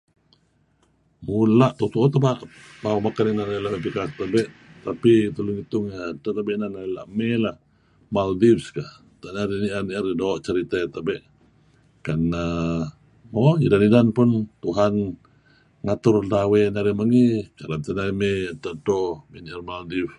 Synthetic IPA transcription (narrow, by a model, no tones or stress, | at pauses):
mulaʔt̪ɔt̪uot̪əbaʔbaumakaninaɾalamepikast̪abɛʔt̪apit̪əluŋit̪ʊŋat̪at̪abɛʔnanala̰ʔmɛlah | maldipskah | t̪aʔnaɾiniʔəniərdoːʔt͡ʃəɾit̪at̪abɛʔ | kana | maidanidanpʊnt̪uɦan | ŋat̪ʊrdawenaɾiməŋikalat̪ənaimet̪atomeniʔərmaldif